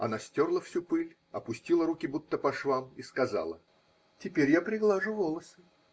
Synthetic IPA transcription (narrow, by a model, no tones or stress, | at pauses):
ɐ̰nasʲtʲo̞rlˠəfsʲupɨlʲ | ɐpʊsʲtʲilˠəɾukʲɪbut̪ːəpɐʂvˠamiskɐza̰lˠə̰ | tʲɪpʲeɾʲjapɾʲɪɡlˠaʐʊvolˠəsɨ